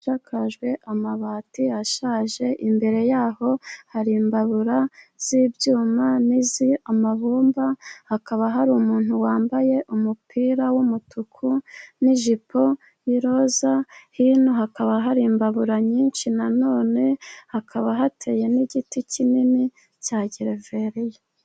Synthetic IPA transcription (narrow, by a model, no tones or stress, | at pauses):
akʰaʒɡwe̞ʔamaβaːtiaʃaːʒe̞ʔimbe̞ɾe̞jaːho̞haɾiːmbaβuɾaz̥iːbjuːmaniziamaβuːmbahakaβaɦaɾuːmuːn̥huwaːmbaje̞ʔumupʰiːɾawumutʰukʰuniʒipo̞ | jiɾo̞zahinoɦakaβaɦaɾiːmbaβuɾaɲiːnʃinano̞ːne̞hakʰaβaɦatʰe̞ːje̞niɟiticinini | caːɟiɾeveɾija